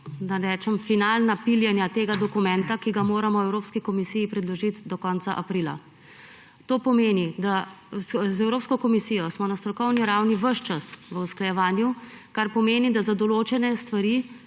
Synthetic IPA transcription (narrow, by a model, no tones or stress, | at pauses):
d̪aɾɛːt͡ʃɛmfinalnapiljɛnjat̪eːɡad̪ɔkumɛnt̪akiɡamoːɾamɔwɛwɾoːpskikɔmisijipɾɛd̪lɔʒit̪d̪ɔkɔːnt̪sa̰ʔapɾila̰ | t̪oːpɔmeːnid̪a | zɛwɾoːpskɔkɔmisijɔsmɔnast̪ɾɔkɔwniɾawniʋəʃt͡ʃasʋəusklajɛʋaːnju | kaɾpɔmeːnid̪azad̪ɔloːt͡ʃɛnɛst̪ʋaɾi